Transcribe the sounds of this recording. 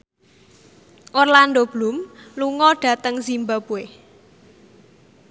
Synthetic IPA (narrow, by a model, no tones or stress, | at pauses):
ʔorland̪ob̥lumluŋɔɖ̥a̤t̪əŋzimbab̥ueh